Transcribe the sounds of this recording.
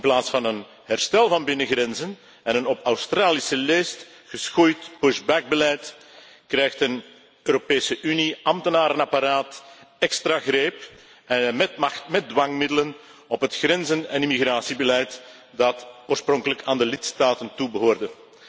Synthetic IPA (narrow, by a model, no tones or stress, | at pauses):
ɪnplaːtsfɑnən | ɦɛrstɛlˠvɑnbɪnəɣɾɛnzən | ɛnənɔpawstraːlisəleːst | ɣəsxujtpʊʃbaɡ̚bəlɛjt | krɛjxtən | øːɾopeːsəʔyniɑmtənaːɾənɑpaɾaːtɛkstraɣreːp | ɛmɛtɑxtmɛt̚dwɑŋmɪdələn | ɔpɦətxrɛnzənɛnimiɣraːsibəlɛjt | dɑtoːrsprɔŋkələkaːndəlɪtstaːtəntubəɦoːrdə